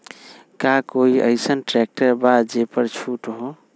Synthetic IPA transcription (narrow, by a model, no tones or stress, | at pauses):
kakoiʔəɪsənʈɾɛk̚ʈəɾbad͡ʒepəɾt͡ʃʰuʈɦo